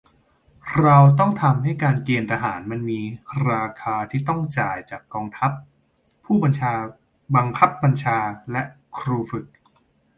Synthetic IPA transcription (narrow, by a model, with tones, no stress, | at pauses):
ɾa˧wt̪ɔ˥˩ŋt̪ʰa˧mha˥˩jkaː˧nkeː˧nt̪ʰa˧ɦaː˩˦nma˧nmiː˧ɾaː˧kʰaː˧t̪ʰiː˥˩t̪ɔ˥˩ŋt͡ɕaː˨˩jt͡ɕaː˨˩kːɔː˧ŋt̪ʰa˦˥pʰː | uː˥˩ba˧nt͡ɕʰaː˧ | ba˧ŋkʰa˦˥p̚ba˧nt͡ɕʰaː˧lɛ˦˥ʔ | kʰɾuː˧fɯ˨˩k̚